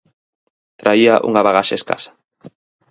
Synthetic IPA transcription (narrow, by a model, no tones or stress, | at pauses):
t̪ɾaiaʔṵŋaβaɣaʃaeska̰sḁ